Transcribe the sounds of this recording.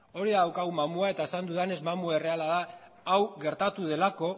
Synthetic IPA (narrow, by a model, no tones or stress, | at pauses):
o̞ɾiðaðawkawmamuae̞t̪ae̞sand̪uðane̞zmamuaere̞alaða | awɣe̞ɾt̪at̪uðe̞lako̞